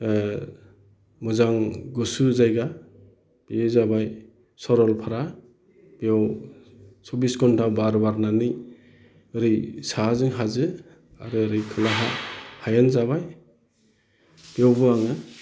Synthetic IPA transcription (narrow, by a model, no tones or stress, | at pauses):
mɔzaŋɡɔsuzajɡa | biezabaj | sɔɾɔlpʰaɾa | beɔw | sɔbiskʰɔntʰawbaɾbaɾnanɯj | ɯɾisazɯŋɦazɯ | aɾɯːɾikʰɯlaɦahajanzaβaj | b̥iɔwbɯaŋɯ